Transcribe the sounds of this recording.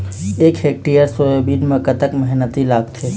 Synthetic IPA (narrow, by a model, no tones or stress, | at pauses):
eːkɦeːk̚ʈijəɾsojobiːdmekət̪əkmɛɦnət̪ilaːɡt̪ʰe